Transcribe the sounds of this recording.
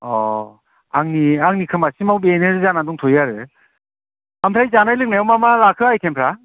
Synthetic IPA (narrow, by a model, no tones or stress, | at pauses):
ɔ | aŋniaŋnikʰɯmasimawbeneɾzanaduŋtʰɔjaɾɯ | ampʰɾajzanajlɯk̚najawmamalakʰɯajkʰempʰɾa